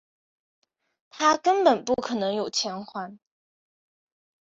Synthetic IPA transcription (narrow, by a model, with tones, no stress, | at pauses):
t̪ʰa˥kə˥npə˨˩npu˥˩kʰɤ˨˩nɤ˧˥ŋjo˨˩ʊt͡ɕʰjɛ˧˥nxwa˥n